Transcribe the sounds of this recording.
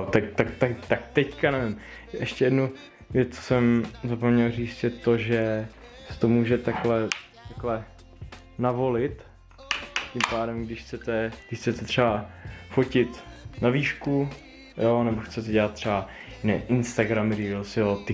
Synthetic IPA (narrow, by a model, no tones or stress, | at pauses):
ot̪akt̪ak̚t̪akt̪ak̚t̪ɛckanɛvɪm | ʔɛʃcɛjɛdnu | vjɛt͡st͡so̥sɛmzapomɲɛlriːt͡st̪jɛt̪oʒɛ | sɛ̥t̪omuːʒɛt̪aklɛ | t̪aklɛ | navo̞lɪt̪ | cɪmpaːdɛmɡdɪʃxt͡sɛt̪ɛɡdɪʃxt͡sɛt̪ɛt̪r̥ɛbafocɪt̪naviːʃku | jonɛboxt͡sɛt̪ɛɟɛlat̪̚t̪ːr̥ɛbanɛ̰ʔɪnst̪aɡɾamɾilsjot̪ɪ